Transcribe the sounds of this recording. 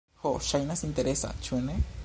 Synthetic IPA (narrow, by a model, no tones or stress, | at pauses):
hoʃajnasint̪eɾesa̰t͡ʃuenẽ